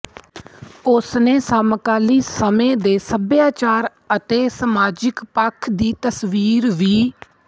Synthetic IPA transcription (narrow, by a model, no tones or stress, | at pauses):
ʊsneːsaːmkaːliːsəmẽːd̪eːsəbjaːt͡ʃaːɾ | ət̪eːsəmaːd͡ʒɪkpəkʰd̪iːt̪əsʋiːɾʋiː